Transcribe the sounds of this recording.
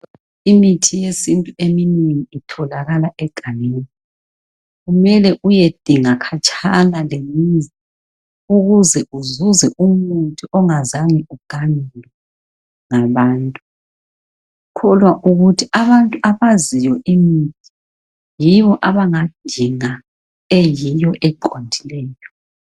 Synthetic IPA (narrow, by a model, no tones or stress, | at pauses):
imitʰijesintʼueminiŋiitʰɔlaɣalaʔɛɡ̥ʱaneːni | ɣumɛlɛʔujed̥ʱiŋakʰat͡ʃʰʼanalemizi | uɣuzɛʔuzuzɛʔumuntʰʼiʔɔŋazaŋiuɡ̥ʱanɛlwɛ | ŋaβaːntʼu | kʰɔlwaʔuɣutʰiaβantʼuaβazijɔʔimitʰi̥ | jiβɔʔaβaŋad̥ʱiŋa | ejijɔʔɛǃandʱilɛːjɔ